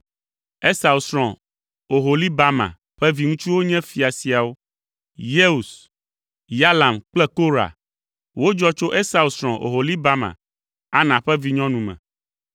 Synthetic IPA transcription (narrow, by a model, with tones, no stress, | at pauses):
e˦sa˨u˨sɾɔ̃˨ | o˨ɦo˨li˦ba˦mã̰˨ | ɸɛ˦vi˦ŋũ˦t͡ʃu˦wo˦ɲɛ̃˦fi˨a˨si˨a˨wo˦ | je˦u˨s | ja˦la˨mk͡plɛ˦ko˦ɾa̰˨ | wo˦d͡ʒɔ˦t͡ʃo˦ʔe˦sa˨u˨sɾɔ̃˨ʔo̰˨ɦo˨li˦ba˦mã̰˨ | a˦nã˨ɸɛ˦vi˦ɲɔ̃˦nũ˨mɛ̰̃˨